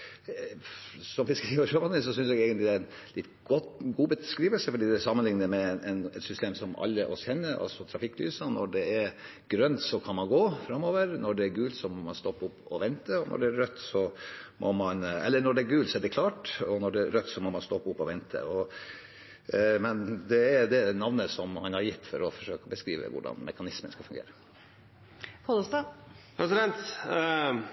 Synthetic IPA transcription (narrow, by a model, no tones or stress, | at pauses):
sɔmʋɪskiːəʂømɑnɪsɔsʏnsɛɡeɡənlɪd̪æɾɛn | lɪt̪ːɡɔt̪ɡuːbəskɾiːʋəlsəfɔɖiːd̪ɛæsɑmənlɪŋnəmɛʔɛnɛt̪sʏst̪eːmsɔmɑ̰lːəʔɔ̰sçɛnːəɾʔɑ̰lsɔt̪ʰɾɑfɪkːly̰ːsənɔ̰ɖɛɛɾ | ɡ̥ɾœnt̪sɔkʰɑnmɑnɡoːfɾɑmːoːʋəɾnɔɖɛæɾɡʉːlsɔmɔmɑnst̪ɔpːʊpːɔʋɛnt̪əɔnʔɔ̰ɖɛæɾœt̪ːsɔmʔɔmɑnɛ̰lːəɳɔɖɛæɾɡʉːlsɔɛɖɛkʰlɑːʈɔnɔɖɛɾœt̪ːsɔmɔmɑnst̪ɔpːʊpːɔʋɛnt̪ʰə̰ɔ | mɛnd̪ɛɛɾd̪ɛnɑʋnəsɔmhɑnhɑɾjɪt̪ːfɔɾɔfɔʂøːkəɔbəskɾiːʋə̰ʋʊ̰ɖɑ̰nmʔɛ̰kɑnɪsmənskɑlfʉŋɡḛːɾə | kɔd̪ɔst̪ɑ | pʰɾɛsɪd̪ɛnt̪